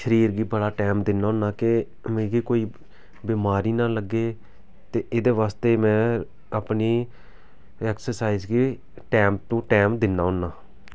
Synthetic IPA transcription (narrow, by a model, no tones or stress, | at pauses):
ʃəɾiːɾɡiːbəɽaːʈɛːmd̪ɪnːaːɦʊnːaːke | mẽːɡiːkoːiː | biːmaːɾiːnãːləɡːeː | t̪eːʔɪːd̪eːʋaːst̪eːmɛ̃ː | apniː | ɛːksəɾsaːizɡi | ʈɛːmt̪ũːʈɛːmd̪ɪnːaːɦʊnːaː